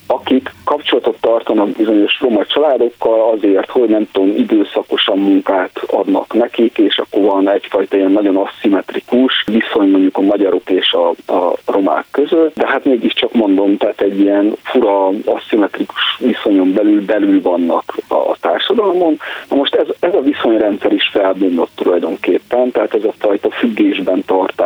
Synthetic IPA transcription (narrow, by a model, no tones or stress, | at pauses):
ɒkikːɒpt͡ʃo̞lɒt̪o̞t̪ːɒrt̪onɒbizo̞ɲo̞ʃro̞mɒt͡ʃɒlaːd̪o̞kːɒlɒzeːrt̪ho̞ɟnɛmt̪omid̪øːsɒko̞ʃɒmːuŋkaːt̪ɒ̰d̪nɒ̰knɛkikeːʃɒ̰kːo̞rvɒnɛcfɒjt̪ɒijɛnːɒɟo̞nɒsːimɛt̪rikuʃviso̞ɲmo̞ɲɟukɒmɒɟɒɾo̞keːʃɒɒro̞ma̰ːkːøzøt̪ːd̪ɛɦat̪meːɡiʃt͡ʃɒkmo̞nd̪o̞mt̪ɛaːt̪ɛɟːiɛnfuɾɒɒsːimɛt̪riku̥ʃʋiso̞ɲo̞mbɛlylbɛlylvɒnːɒkɒ̰t̪a̰ːrʃɒd̪ɒlmo̞nnɒmo̞ʃt̪ɛzɛzɒviso̞ɲrɛnt̪sɛɾiʃfɛlbond̪o̞t̪ːulɒjd̪o̞ŋkeːpːɛnt̪ɛɦaːt̪ɛzɒfɒjt̪ɒfyɡːeːʒbɛnt̪ɒrt̪aː